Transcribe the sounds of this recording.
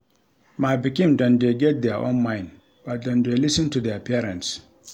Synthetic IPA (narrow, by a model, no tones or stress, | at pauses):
mabikĩmdɔ̃ndeɡɛt̚d̪ɛʔɔ̰̃nmãɪ̃n | b̥at̚dɔ̃ndelisɨ̃ntudɛpɛɹɛ̃nts